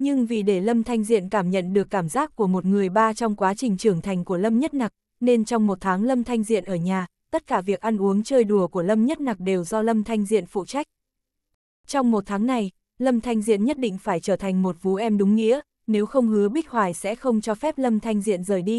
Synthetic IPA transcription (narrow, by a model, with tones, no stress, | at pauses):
ɲɨ˧ŋvi˨˩ɗe˧˩lə˧mt̪ʰa˧jŋ̟zḭ˧˨ənkaː˧˩mɲə̰˧˨nɗɨ˨˩əkːaː˧˩mzaː˦˥k̚ku˧˩əmo˨˩t̚ŋɨ˨˩əjɓaː˧t͡ɕɔ˧wŋ͡mkwaː˨˦t͡ɕï˨˩ŋ̟t͡ɕɨ˧˩əŋt̪ʰa˨˩jŋ̟ku˧˩ələ˧mɲə˦˥t̚na˨˩k̚ | ne˧nt͡ɕɔ˧wŋ͡mmo˨˩t̚t̪ʰaː˨˦ŋlə˧mt̪ʰa˧jŋ̟zḭ˧˨ənʔəː˧˩ɲaː˨˩ | t̪ə˦˥t̚kaː˧˩vi˨˩ək̚ʔa˧nʔu˨˦əŋt͡ɕəː˧jɗu˨˩əku˧˩ələ˧mɲə˦˥t̚na˨˩k̚ɗe˨˩wzɔ˧lə˧mt̪ʰa˧jŋ̟zḭ˧˨ənfṵ˧˨t͡ɕa˦˥jk̟̚ | t͡ɕɔ˧wŋ͡mmo˨˩t̚t̪ʰaː˨˦ŋna˨˩j | lə˧mt̪ʰa˧jŋ̟zḭ˧˨ənɲə˦˥t̚ɗḭ̈˧˨ŋ̟faː˧˩jt͡ɕəː˧˩t̪ʰa˨˩ŋ̟mo˨˩t̚vṵ˨˧˥ʔɛ˧mɗʊ˨˦ŋ͡mŋḭ˧˥ə | ne˨˦wxə˧wŋ͡mhɨ˨˦əɓi˦˥k̚hwaː˨˩jsɛ̰˧˥xə˧wŋ͡mt͡ɕɔ˧fɛ˦˥p̚lə˧mt̪ʰa˧jŋ̟zḭ˧˨ənzəː˨˩jɗi˧